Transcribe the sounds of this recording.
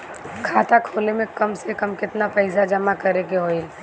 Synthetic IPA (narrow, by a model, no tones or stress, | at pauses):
kʰaːt̪akʰoːlemẽkɐmsekɐmkɪt̪napəɪsad͡ʒɐmakɐɾekeɦoːɪl